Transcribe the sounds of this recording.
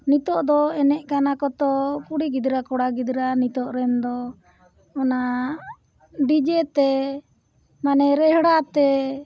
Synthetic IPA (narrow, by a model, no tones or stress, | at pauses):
nit̪ɔʔd̪ɔɛnɛʔkanakɔt̪ɔkuɽiɡid̪ɾakɔɽaɡid̪ɾanit̪ɔʔɾɛnd̪ɔ | ɔna | ɖid͡ʒɛt̪ɛ | manɛɾɛhɽat̪ɛ